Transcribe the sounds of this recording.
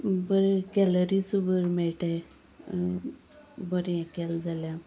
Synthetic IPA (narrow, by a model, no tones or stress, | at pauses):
bəɾkɛləɾisubəɾmɛɭʈɛ | bəɾɛ̃kɛld͡zalja